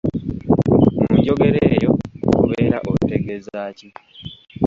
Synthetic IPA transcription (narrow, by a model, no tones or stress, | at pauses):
muɟo̞ɡe̞ɾeːjo̞̰kuβeːɾaʔoteɡezaːci